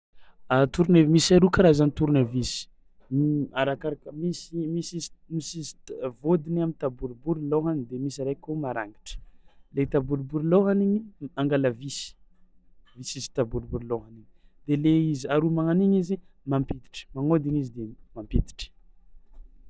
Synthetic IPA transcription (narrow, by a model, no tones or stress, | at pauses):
at̪uɾunemisaɾukaɾaizanit̪uɾunavisi̥ | aɾakaɾakəmisimisizmisiz̥vod̪inamint̪abuɾubuɾiloɦanid̪emisaɾakomaɾa̰ŋɡi̥ʈ͡ʂə̥let̪abuɾbuɾloɦaniɲiaŋɡaləvisi̥ | visizi̥t̪abuɾbuɾiloɦaniɲid̪̥eleizaɾumaŋaniɲizimampit̪i̥ʈ͡ʂə̥maŋod̪inizid̪emampet̪i̥ʈ͡ʂə̥